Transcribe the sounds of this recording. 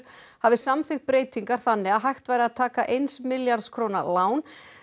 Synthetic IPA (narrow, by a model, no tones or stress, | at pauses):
havɪsamθɪxt̪̚pɾeːjt̪iŋkaɾ̥θanːɪɣaðɦajxt̪vajɾɪaðt̪ʰaːkaʔejnsmɪljaɾt̪skʰɾownalaːwn